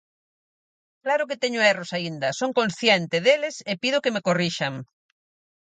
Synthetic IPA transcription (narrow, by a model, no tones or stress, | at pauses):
klaɾʊket̪eɲʊerosaind̪ɐsoŋkonsθjɛnt̪ɪðelɪsepiðʊkemekoriʃaŋ